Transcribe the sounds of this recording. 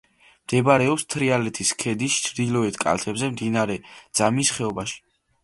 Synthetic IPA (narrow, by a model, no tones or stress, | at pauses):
md̪̥ɛbaɾɛɔpst̪ʰɾialɛt̪ʰiskʰɛd̪ist͡ʃʰɾd̪ilɔɛt̪ʰkʼa̰lt̪ʰɛbzɛmd̪inaɾɛd̪z̥amisχɛɔbaʃi̥